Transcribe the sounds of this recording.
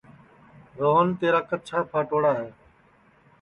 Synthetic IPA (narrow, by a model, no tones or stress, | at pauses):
ɾoːnt̪eːɾaːkət͡ʃʰaːpʰaːʈoːɽaːɦeː